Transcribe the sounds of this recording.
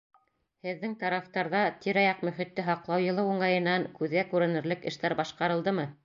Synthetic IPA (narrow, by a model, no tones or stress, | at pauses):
hɘ̆ðːɘŋt̪ɑɾɑft̪ɑɾðɑt̪iɾɑjɑqmɵ̆χĭt̪ːɘɦɑqlˠɑwjɤ̆lˠɤwuɴɑjɤ̆nːɑŋkʉðɡækʉɾɘ̆nɘ̆ɾlɘkɘ̆ʃt̪æɾbɑʃqɑɾɤ̆lˠd̪ɤmɤ